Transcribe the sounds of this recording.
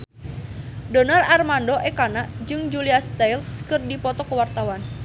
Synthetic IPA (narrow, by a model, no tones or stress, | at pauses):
dɔnalarmandoʔɛkanaʔd͡ʒɨŋd͡ʒuliast̪ajlskɨrdipɔt̪ɔkəwart̪awan